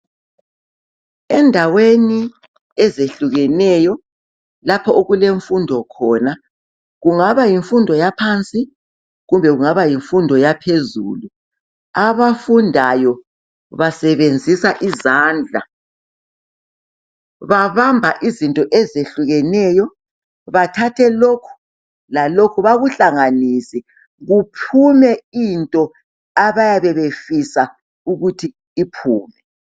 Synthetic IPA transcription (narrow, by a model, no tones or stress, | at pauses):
ɛndʱaweni | ɛzeɬuɣɛnɛjɔ | lapʰɔʔoɣuleɱfundʱɔkʰɔːna | ɣuŋaβajiɱfundʱɔjapʰant͡sʼi | ɣumbʱɛɣuŋaβajiɱfundʱɔjapʰezṵːlu | aβafundʱajɔ | βasɛβend͡zʱisaʔizaːnd͡ɮʱa̰ | βaβambʱaʔizintʼɔʔɛzeɬuɣɛnɛjɔ | βatʰatʰɛlokʰu̥ | lalokʰuβaɣuɬaŋanisi | ɣupʰumɛintʼɔ | aβajaβɛβefisa | uɣutʰiː | pʰuːmɛ